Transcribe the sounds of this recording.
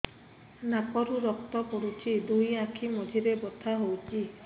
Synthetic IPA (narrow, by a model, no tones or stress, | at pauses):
napɔɾuɾɔk̚t̪ɔkɔɽut͡ʃʰid̪ujakʰimɔd͡ʒʱiɾebɔt̪ʰaɦowt͡ʃʰi